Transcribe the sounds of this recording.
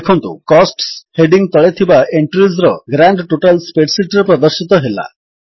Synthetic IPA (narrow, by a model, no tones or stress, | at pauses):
kʰɔnt̪ṵkɔsʈsheɖiŋɡt̪ɔɭet̪ʰibaʔeɳʈɾizɾɔɡɾaɳɖʈoʈalspeʈsiʈɾepɾɔd̪ɔɾsit̪ɔɦela̰